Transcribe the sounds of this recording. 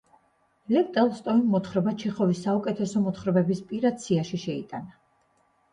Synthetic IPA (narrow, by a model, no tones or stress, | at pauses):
lɛpt̪ʼɛlˠst̪ʼɔimmɔt̪χɾɔbat͡ʃʰiχɔvisːaukʼɛt̪ʰɛsɔmɔt̪χɾɔbɛbispʼiɾad̪̚sʰiaʃiʃɛit̪ʼana